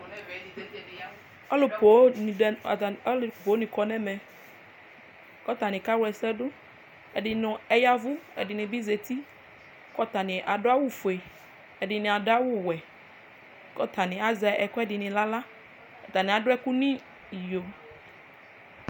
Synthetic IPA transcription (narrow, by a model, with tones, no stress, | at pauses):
ɔ˦lo˨o˨˦˨ | lpo˨˦nĩ˨kɔ˨nɛ̃˦mɛ̃˨ | kɔ˦t̪a˨nĩ˨ka˦wɛ˨sɛ˦ɖʊ˦ | ɛ˨di˨nʊ̃˨ɛ˦ja˦vu˦ɛ̰˨di˨nĩ˨bi˦ze˨t̪i˦ | kɔ˦t̪a˨nĩ˨ʔa˨ɖʊ˦a˦wu˦fo˨e˨ | ɛ˨ɖi˨nĩ˨a˨da˦wʊ˦wɛ˨ | kɔ˦t̪a˨nĩ˨a˦za˨˦ʔɛ˨kɔ˦ɛ˦dɪ˨nĩ˨la˦la˦ | kɔ˨t̪a˨nĩ˨a˨ɖʊ˦ɛ˦ku˦nĩ˦˨ | jo˨